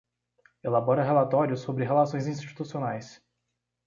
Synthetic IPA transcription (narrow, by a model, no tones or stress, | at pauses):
elabɔɾɐɦelat̪ɔɾjʊsːobɾɪɦelasõj̃zĩst͡ʃi̥t̪usionajs